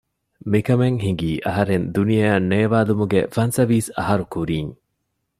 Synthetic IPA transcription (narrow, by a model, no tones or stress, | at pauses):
mikɐmeŋɦiŋɡiːʔɐɦɐɾend̪unijɐɐnːeːʋaːlumuɡḛfɐnsɐʋiːsɐ̰ɦɐɾukuɾiːŋ